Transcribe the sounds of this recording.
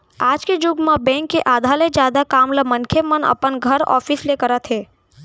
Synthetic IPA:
aːd͡ʒked͡ʒʊɡmãbɛ̃ːŋkːeʔaːd̪ʱaːled͡ʒjaːd̪akaːmləmənkʰemənə̰pənɡʱəɾɔ̰ːfʰislekəɾət̪ʰɦeː

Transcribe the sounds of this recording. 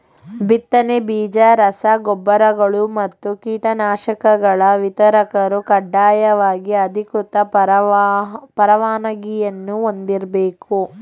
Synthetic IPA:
bit̪ːɐnebiːd͡ʒɐɾɐsɐɡɔbːɐɾɐɡɐɭumɐt̪ːukiːʈɐnaːʃɐkɐɡɐɭɐʋit̪ɐɾɐkɐɾukɐɖːaːjɐʋaːɡiɐd̪ʱikut̪ɐ | pɐɾɐʋaːnɐɡijɐnːuond̪iɾbeːku

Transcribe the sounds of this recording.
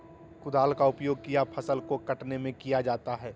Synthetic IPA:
kʊd̪aːlkaʊpjoːɡ̚kijapʰɐsəlkokɐʈnemẽkijad͡ʒaːt̪aɦɛː

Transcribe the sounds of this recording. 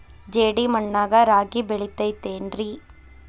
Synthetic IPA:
d͡ʒeːɽimɐɳːaːɣɐɾaːɡibɛɭɪt̪ːɐɪt̪ːeːndri

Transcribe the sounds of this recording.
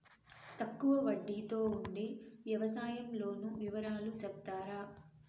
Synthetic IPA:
t̪ɐkːuʋɐʋɐɖːit̪o̞ːuɳɖeːʋjɐʋɐsaːjɐmlo̞ːnuʋiʋɐɾaːlusɛp̚t̪aːɾaː

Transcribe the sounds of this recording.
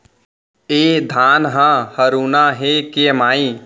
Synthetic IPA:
ed̪ʱaːnɦə̃həɾuːnaɦekemaːĩ

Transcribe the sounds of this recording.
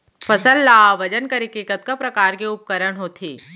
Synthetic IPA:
fʰɐsəlːaːʋɐd͡ʒənkɐɾɪkiːkət̪̚kapɾɐkaːɾkiʊp̚kəɾəɳ̃ɦoːt̪ʰḭː

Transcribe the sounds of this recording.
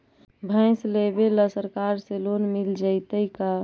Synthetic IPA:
bʱə̃ɪ̃slebeləsəɾkaɾselonmild͡ʒəɪt̪əika

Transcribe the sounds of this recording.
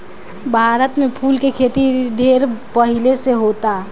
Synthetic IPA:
bʱaːɾət̪mẽpʰuːlkekʰeːt̪iɖ̪ʱeɾpəɦileseɦot̪a

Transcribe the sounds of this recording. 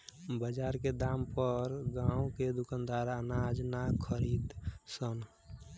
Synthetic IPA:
bəd͡ʒaɾked̪ampəɾɡaũked̪ukand̪aɾanad͡ʒnakʰəɾid̪sən

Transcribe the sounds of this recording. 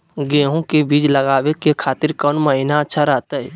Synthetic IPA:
ɡeːɦõkebiːd͡ʒləɡaːbekekʰaːt̪ɪɾkɔːnməɦinaətːʃʰaɾəɦt̪əɛ

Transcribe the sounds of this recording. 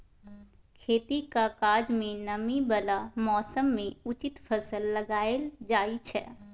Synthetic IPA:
kʰeːt̪ikakaːd͡ʒmẽnɐmibəlamɔːsəmːẽʊt͡ʃɪt̪pʰəsəlːəɡaːeld͡ʒaːit͡ʃʰɛ̰ː

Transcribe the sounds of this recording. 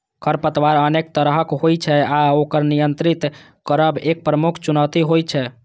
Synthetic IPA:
kʰəɾpət̪ʋaɾənek̚t̪əɾɦəkɦojt͡ʃʰɛaokəɾnijənt̪ɾit̪ | kəɾəbek̚pɾəmukʰt͡ʃunəwt̪iɦojt͡ʃʰɛ

